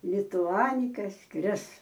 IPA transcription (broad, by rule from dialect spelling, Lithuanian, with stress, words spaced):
lʲɪtʊˈɑːnʲɪkɐ ˈskrʲɪs